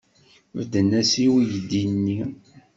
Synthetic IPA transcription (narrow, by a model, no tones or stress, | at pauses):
vd̪ənæsiwijəd̪ːinːi